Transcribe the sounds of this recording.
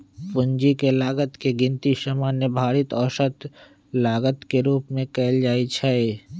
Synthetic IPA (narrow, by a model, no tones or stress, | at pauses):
pʊ̃ɲd͡ʒikelaːɡət̪keɡɪ̃nt̪isamaːnjəbʱaːɾit̪ɔːʃət̪ | laːɡət̪keɾuːpmẽkɛːld͡ʒaːit͡ʃʰɛ